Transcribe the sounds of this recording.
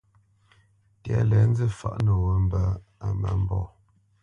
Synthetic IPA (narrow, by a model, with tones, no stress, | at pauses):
ti˨a˨lɛ˨˦n̩˦d͡zə˦˨fa̰˨ʔnə˨wə˨m̩˦˨bə˨a˨mə˨m̩˦bɔ˦˨